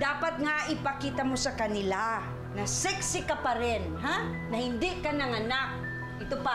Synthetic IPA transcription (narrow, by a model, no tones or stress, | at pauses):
d̪aːpɐt̪̚ŋaʔɪpɐkiːt̪ɐmosɐkɐnɪla | nɐsɪksɪkapɐɾɪnɦa | nɐhɪnd̪ɪkɐnaŋɐnak̚ | ʔɪt̪opa